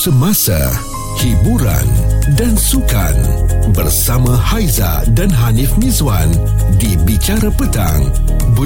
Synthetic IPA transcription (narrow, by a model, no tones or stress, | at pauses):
səmasa̰ | hibuɾa̰ndansuka̰nbərsamãhajza̰danɦanifmizwan | dibit͡ʃaɾapət̪a̰ŋ | bə